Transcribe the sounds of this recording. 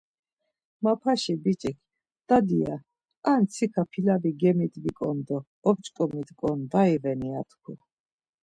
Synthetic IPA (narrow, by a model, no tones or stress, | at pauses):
mapʰaʃibit͡ʃʼikʰ | d̪̥ad̪ia | ant̪sʰikʰapʰilaviɡɛmid̪vikʼɔnd̪ɔː | b̚t͡ʃʼkʼɔmid̪kʼɔnd̪aivɛniat̪ʰkʰu